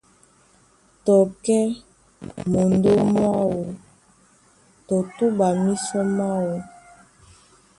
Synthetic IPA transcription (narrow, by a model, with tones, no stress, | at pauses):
tɔ˨kɛ˦ | mo˨ndo˦ma˦wo˨ | tɔ˨tu˦ba˨mi˦sɔ˦ma˦wo˨